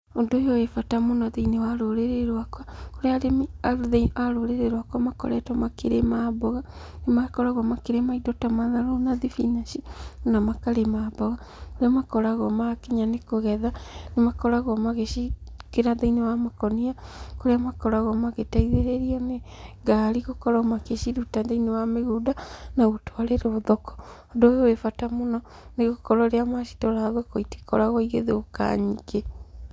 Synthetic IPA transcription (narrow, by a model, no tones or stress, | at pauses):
ondojɔefatamonaðeinewaɾoɾeɾeɾwakwakoɾeaɾemaðeaɾoɾeɾeɾwakwamakɔ̰ɾɛtɔmakeɾemabɔɣa | nemakɔɾaɣɔmakeɾemaidɔtamaðaɾonaðifinaʃimonamakaɾemabɔɣa | koɾeamakɔɾaɣɔmakeɲanekoɣɛðanemakɔɾaɣɔmaɣeʃikeɾaðainewamakɔniakoɾeamakɔɾaɣɔmaɣetaiðeɾeɾiɔneɡaːɾiɣokɔɾɔmakeʃiɾutaðainewameɣodanaotoaɾeɾeoðɔkɔ̥ | ɔndojowefatamonɔ | neɣokɔɾɔɾeamaʃi̥tɔɾaðɔkoiti̥kɔ̰ɾaɣɔiɣeðeoka̰ɲiɡe